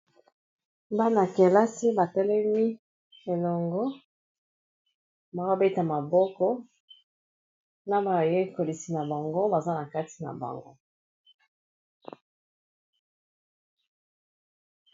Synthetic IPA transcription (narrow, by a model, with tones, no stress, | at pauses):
ba˦na˨ke˨la˦si˦ba˨tɛ˦lɛ˦mi˦ | e˨lɔ˨ŋɡo˦ | ba˨wa˦be˦ta˨ma˨bɔ˦kɔ˦ | na˦ba˨je˦ko˨li˨si˨na˨ba˨ŋɡo˦ba˨za˦na˨ka˦ti̥˦na̰˨ba̰˨ŋɡo̰˦